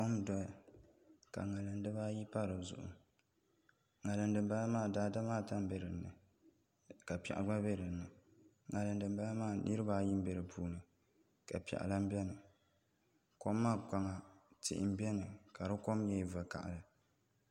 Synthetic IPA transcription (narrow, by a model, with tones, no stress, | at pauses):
ko˦mdɔ˨ | ka̰˨ŋa˨lɨ˨n˦dɨ˦baː˦ji˦pa˦ɾɨ˨zʊ̰˨ʔʊ̰˨ | ŋa˨lɨ˨n˦dɨ˨m˦ba˦la˦maː˦˨daː˦da˦maː˦˨ta˦m˦be˦ɾɨ˨nːɨ˨ | ka˨pɛ̰˨ʔa̰˨ɡ͡ba˦be˦ɾɨ˨nːɨ˨ | ŋa˨lɨ˨n̩˦dɨ˨m˦ba˦la˦maː˦˨nʔɨ˦ɾɨ˦baː˦ji˦m̩˦be˨ɾɨ˨pʰuː˨nɨ˨ | ka̰˨pi˨ɛ̰˨ʔa̰˨la˦m˦bʲɛ˦nɨ˨ | ko˦mːaː˦˨ka˨ŋa˨tɪ̰˨ʔɪ̰˨m˦bɛ˦nɨ˨ka˨ɾɨ˦ko˦mjɛ˦˨va˨ka̰˨ʔa̰˨ɾɨ˨